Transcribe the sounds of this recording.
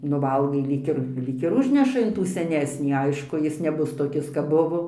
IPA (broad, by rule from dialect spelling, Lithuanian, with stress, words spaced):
nʊ ˈʋɐlˠɡɐɪ ˈlʲiːk ɪr ˈlʲiːk ɪr ˈʊʒʲnʲɛʃɐ ɪn ˈtuː sʲɛˈnʲæːsʲnʲiː ˈɐɪʃkʊ ˈjɪs nʲɛˈbʊs toːˈkʲɪs kɐp ˈbʊʋoː